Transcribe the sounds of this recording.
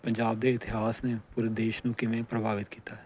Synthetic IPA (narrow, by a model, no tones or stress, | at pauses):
pəɲd͡ʒaːb̚d̪eːɪt̪ɪɦaːsneːpuɾd̪eːʃnũːkɪʋẽːpɾəbʱaːʋɪt̪kiːt̪aːɛː